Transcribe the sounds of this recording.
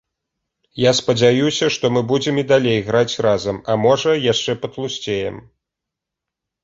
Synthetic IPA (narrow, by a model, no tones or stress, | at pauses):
jaspɐd͡zʲajusʲɐʂt̪ɔmɨbud͡zʲɛmid̪alʲejɣɾat͡sʲrazɐmɐmɔʐɐjaʂt͡ʂɛpɐt̪lˠusʲt͡sʲejɛm